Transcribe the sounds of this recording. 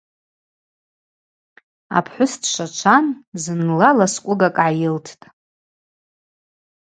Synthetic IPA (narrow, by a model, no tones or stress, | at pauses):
a̰pʰħʷʊstʰʃʷat͡ʃʷʰanzɨnlalaskʷʼʊɡakʼʕajɪltʰtʼ